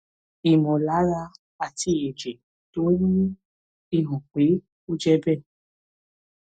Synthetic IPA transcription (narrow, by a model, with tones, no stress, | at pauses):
i˨mɔ̃˨la˨˦ɾa˧ | a˨ti˧˦˨e˨d͡ʒe˨ | to˨˦nĩ˦ | i˦˨ɦɔ̃˨k͡pe˨˦ | o˦d͡ʒɛ˧bɛ˦˨